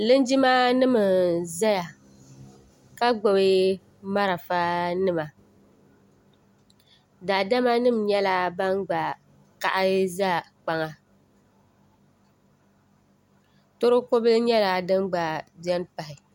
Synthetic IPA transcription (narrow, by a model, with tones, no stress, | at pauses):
lɨ˦nd͡ʒi˦ma˦nɨ˦mɨ˨za˦ja˨ | ka˦ɡ͡bo˨bɪ˦ | ma˦ɾa˨fa˦nɨ˦ma˨ | daː˨da˦ma˦nɨ˦mɲɛ˦la˦ba˦nɡ͡ba˨ | ka˨ʔa˦za˦˨ | k͡pa˨ŋa˨ | to˦ɾʊ˦ko˦bɨ˦lɲɛ˦la˨dɨ˦mɡ͡ba˨d͡ʒɛ˦n˦pa˨hɪ˨